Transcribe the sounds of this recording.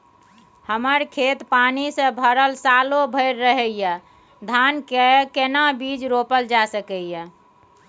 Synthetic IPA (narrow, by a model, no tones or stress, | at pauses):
həməɾkʰet̪panisə̃bʱəɾəlsalobʱəɾːəɦɛjə | d̪ʱankekenabid͡ʒɾopəld͡ʒasəkəjə